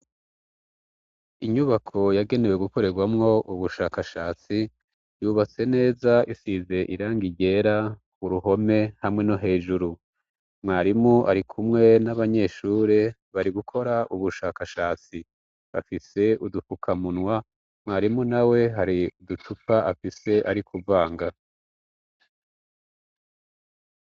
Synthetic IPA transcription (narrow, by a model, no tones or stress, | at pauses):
iɲuβakʰo̞jaɡe̞newe̞ɡuko̞ɾe̞ɡwamŋo̞ʔuβuʃaːkaʃaːt͡si | juːβat͡se̞ne̞ːzaisize̞ʔiɾaːŋɡiɟe̞ːɾa | uɾuɦo̞me̞hamŋe̞no̞ɦe̞ːʒuɾu | mŋaːɾimuʔa̰ɾikʰumŋe̞naβaɲe̞ʃuːɾe | βaɾiɡukʰo̞ɾaʔuβuʃaːkaʃaːt͡si | βa̰fise̞udufukʰamunwa | mŋaːɾimunawe̞ɦaɾiudutupaʔafise̞ʔaɾikʰuvaːŋɡa